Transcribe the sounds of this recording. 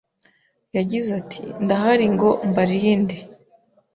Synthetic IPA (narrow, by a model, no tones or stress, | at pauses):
jaɟizatʰḭndaɦaɾiŋɡo̞mbaɾinde